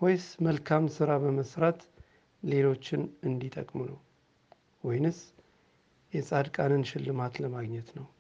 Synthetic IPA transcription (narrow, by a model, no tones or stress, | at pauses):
hojsməlkʰamsɨɾabəməsɾat̪ | le̞lo̞t͡ʃːɪnɨnd̪it̪ʼə̰kʼmnəw | wɔjnɨs | jɛsʼad̪kʼanɨnʃɪlːɨmat̪ləmaɡɲɛt̪nəw